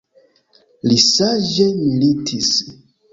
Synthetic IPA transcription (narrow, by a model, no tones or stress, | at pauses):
lisaʒemilitʰis